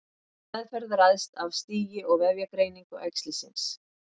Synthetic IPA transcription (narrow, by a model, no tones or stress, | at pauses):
ɛðfɛɾðrajðst̪avst̪iːjɪɔɣvɛvjakɾejniŋkʏʔɛkst̪lɪsɪ̰ns